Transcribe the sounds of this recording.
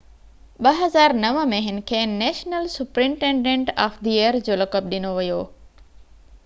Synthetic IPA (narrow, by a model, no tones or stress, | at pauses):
ɓɐɦɐzaːɾnɐʋəmẽɦɪnɪ̆kʰeːnɛːʃnəlsʊpɾɪ̃ɳʈẽːɳɖẽɳʈaːfd̪ieɾd͡ʑoːlɐkəb̚ɗɪnoʋijoː